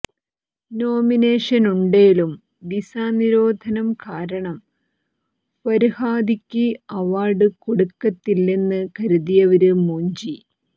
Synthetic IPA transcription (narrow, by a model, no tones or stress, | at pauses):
no̞ːmine̞ːʂɐnuɳɖejilum | d̪isaːniɾo̞ːd̪ʱɐnɐmkaːɾɐɳɐm | pɐɾihaːd̪ʱikʲːiɐʋaːrɖɨkoɽukːɐt̪ːilːenːɨkɐɾuðijɐʋɐɾumoːɲd͡ʑi